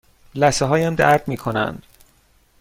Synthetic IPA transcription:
læseɦɒːjæmd̪æ̰ɾd̪miːkʰonæ̰nd̪̥

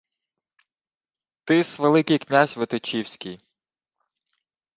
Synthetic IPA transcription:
t̪ɪsʋelˠɪkɪjknʲazʲʋet̪ɪt͡ʃiwsʲkʲij

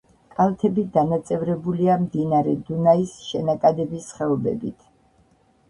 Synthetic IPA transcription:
kʼalt̪ʰɛbid̪anat̪sʼɛvɾɛbuliamd̪inaɾɛd̪unaisʃɛnakʼad̪ɛbisχɛɔbɛ̰bit̪ʰ

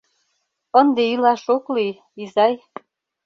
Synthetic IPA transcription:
ənd̪eilɑʃokli | izɑj

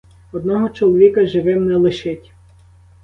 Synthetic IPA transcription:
ɔd̪nɔɦɔt͡ʃɔlˠɔʋʲikɐʒɪʋɪmnɛlˠɪʃɪtʲ

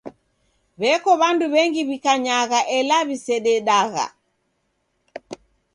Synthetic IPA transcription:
βɛkɔβanduβɛŋɡiβikaɲaɣaʔɛlaβisɛɗɛɗaɣa̰

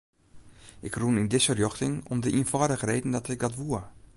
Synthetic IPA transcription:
ʔɪkrunɪndɪsfərjɔxtɪŋɔmdəʔiənfaːdəχrejdən̩dɔtɪk̚dɔtʋuə

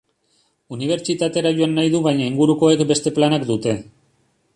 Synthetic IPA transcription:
uniβ̞e̞ɾt͡ʃit̪at̪e̞ɾaʝoanːajðuβajɲaiŋɡuɾuko̞ekbe̞st̪e̞planakd̪ut̪e̞

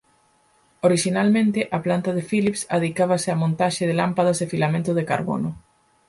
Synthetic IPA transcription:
oɾiʃinalmẽnt̪ɪʔaplant̪aðɪfilipsa̰ðikaβasɪamõnt̪aʃɪðɪlampað̞ɐzðɪfilamẽnt̪ʊðeka̰ɾβo̰nʊ

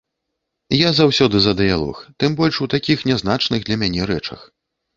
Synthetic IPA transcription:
jazawsʲɔd̪ɨzɐd̪ɨjalˠɔ̰xt̪ɨmbɔlʲʂut̪akʲixnʲɛznat͡ʂnɨɣd̪lʲɐmʲanʲɛɾɛt͡ʂɐ̰x

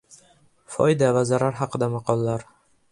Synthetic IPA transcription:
fɒ̰jd̪avazaɾaɾɦɑqʰɨd̪amɑqɒlˠːaɾ

